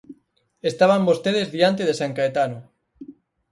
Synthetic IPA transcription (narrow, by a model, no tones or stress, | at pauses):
est̪aβ̞ambost̪eðezðiant̪̬eðesaŋkaet̪ano